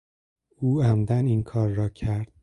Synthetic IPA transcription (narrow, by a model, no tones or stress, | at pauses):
uːæmd̪æninkʰɒːɾːɒːcʰæɾd̪̥̚